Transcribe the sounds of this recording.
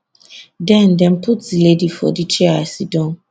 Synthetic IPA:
dɛ̃ndɛ̃npʰutdiledifɔ̰dit͡ʃɛasidɔ̃n

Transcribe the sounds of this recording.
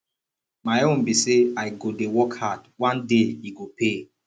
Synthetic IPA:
maɪõmbiseaɪɡodewɔkhadwãndeiɡope

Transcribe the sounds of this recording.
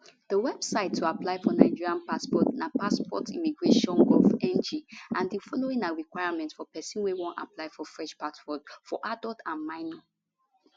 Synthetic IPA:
d̥əwɛb̥saɪtʰːuaplaɪfɔnaɪd͡ʒiɹiãnpaspɔtnapaspɔtʰḭmiɡɹeʃɔ̃nɡɔfɛ̃nd͡ʒiʔãndifɔloĩŋaɹikwaɪamɛ̃ntfɔpɛsɔ̃nwewɔ̃nta̰plaɪfɔfɹɛ̃ʃpasfɔdfɔ̰ʔadɔltʰãnmaɪno

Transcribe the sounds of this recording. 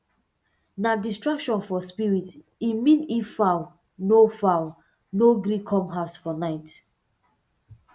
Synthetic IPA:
nadistɹakʃɔ̃nfɔspiɹit | imĩnifːaʊ | nofaʊ | noɡɾikʰɔ̃mɦaʊsfɔnaɪt

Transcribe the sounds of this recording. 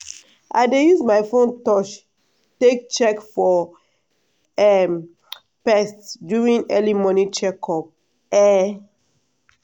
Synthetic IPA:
ʔa̰ɪdejuzmaɪfõntɔʃ | tek̚t͡ʃɛkfɔ | ɛm | pɛstdjuɹĩŋɛlimɔnit͡ʃɛkʰɔp̚ | ɛ

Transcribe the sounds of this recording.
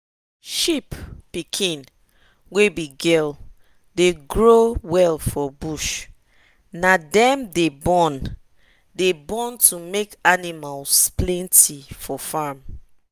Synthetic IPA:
ʃippikʰĩn | webiɡɛl | deɡɹowɛlfɔbuʃ | nadɛ̃mdebɔ̃n | debɔ̃ntumekanimalsplɛ̃ntifɔfam

